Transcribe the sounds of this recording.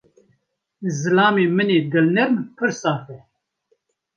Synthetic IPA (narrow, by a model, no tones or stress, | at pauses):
zɨlɑːmeːmɨneːd̪ɨlnɨɾmpʰɨɾsaːfɛ